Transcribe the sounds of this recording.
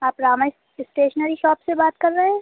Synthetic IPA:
aːpɾaːma | ɪsʈeːʃnəɾiʃɔːpsebaːt̪kɐɾːɐɦɛ̃ː

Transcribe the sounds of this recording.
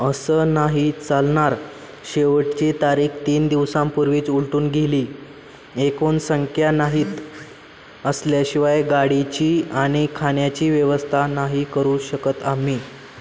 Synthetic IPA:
əsənaɦit͡salɳaɾ | ɕeʋəʈt͡ɕit̪aɾiːkt̪iːnd̪iʋsãmpuɾʋiːt͡suɭʈuːnɡʱeliː | ekonsəŋkʰjanaɦiːt̪ | əsljaɕiʋajɡaɽit͡ɕiːaɽ̃ikʰaɳjat͡ɕiːʋjeʋəst̪ʰanaɦikəɾuːɕəkət̪amiː

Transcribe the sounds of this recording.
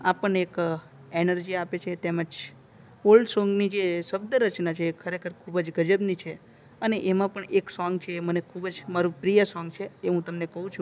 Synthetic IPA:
apəɳek | enəɾd͡ʒiapet͡ʃʰet̪eməd͡ʒ | olɖsɔ̃ŋɡnid͡ʒeʃəb̚d̪əɾət͡ʃnat͡ʃʰeːkʰəɾekʰəɾkʰubd͡ʒɡəd͡ʒəbnit͡ʃʰe | əneʔemãpəɳeksɔŋɡt͡ʃʰemənekʰubəd͡ʒmaɾupɾijəsɔŋɡt͡ʃʰeːɦũt̪əmnekəɦũt͡ʃʰũ

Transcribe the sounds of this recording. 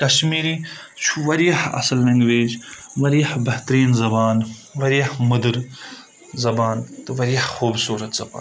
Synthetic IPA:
kɐʃmiːɾi | t͡ʃʰuʋɐɾijɐhɐ̰sɐlːɐ̃ŋɡʋeːd͡ʒʋɐɾijɐhbɐht̪ɐɾiːnzɐbaːnʋɐɾijɐhmɐd̪ɨɾ | zɐbaːnt̪ɨʋɐɾijɐhxuːbsuːɾɐt̪z̥ɐba̰ːn

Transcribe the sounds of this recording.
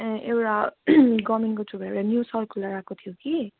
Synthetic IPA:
ewʈaɡʌmenkot͡subʱaewʈanjusʌrkʰulːaɾakot̪ʰijoki

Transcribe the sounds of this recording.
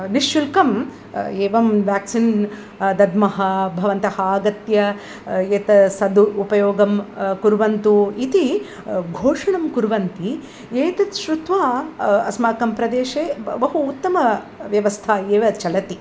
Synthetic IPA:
niʃjulkɐm | eːʋɐmʋjaːksin | d̪ɐd̪mɐɦɐbʱɐʋɐnt̪ɐhaːɡɐt̪jɐ | et̪ɐsɐd̪ːpɐjoːɡɐmkuɾʋɐnt̪uit̪i | ɡʱoːʂɐɳɐmkuɾʋɐnt̪i | eːt̪ɐt̪ʃɾut̪ʋaːɐ̰smaːkɐmpɾɐd̪eːʃeːbɐɦuːt̪ːɐmɐ | ʋjɐʋɐst̪ʰaːeːʋɐt͡ʃɐlɐt̪i

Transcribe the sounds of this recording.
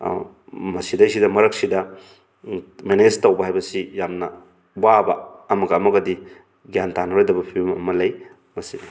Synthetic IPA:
mɐsidɐsidɐmɐɾɐk̚sidɐ | mened͡ʒtɐwbɐɦajbɐsijamnɐ | bwabɐ̰ɐmɐɡɐːmɐɡɐdi | ɡjantanɐɾojdɐbɐpʰimɐ̰mɐlɐj | mɐsi

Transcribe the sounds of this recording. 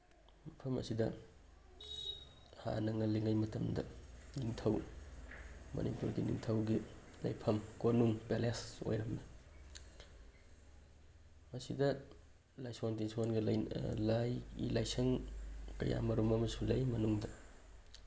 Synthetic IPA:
mɐpʰɐmɐ̰sidɐ̰ | ha̰nɐŋɐliŋajmɐtɐmdɐ̰niŋtʰɐw | mɐ̰nipuɾɡinḭŋtʰɐwɡi | lɐ̰jpʰɐmkonuŋpeleso̰jɾɐmnɐ | mɐsidɐ | lajsontinswonɡɐljlajɡḭlajsɐŋkɐ̰ja̰mɐɾumɐmɐsulɐjmɐnuŋdɐ

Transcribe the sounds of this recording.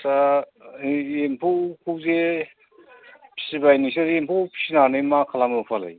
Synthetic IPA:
sa | empʰukʰuze | pʰi̥sibajnisnaɾempʰupʰi̥sinanɯjmakʰalamɯpʰala̰j

